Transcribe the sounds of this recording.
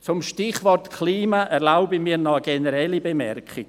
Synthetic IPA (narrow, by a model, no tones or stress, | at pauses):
t͡sʊmʃtɪχvɔrtkʰliːmaʔɛɾlaʊbəmiːɾnɔəɡenəɾɛlːibemɛrkχɪɡ̥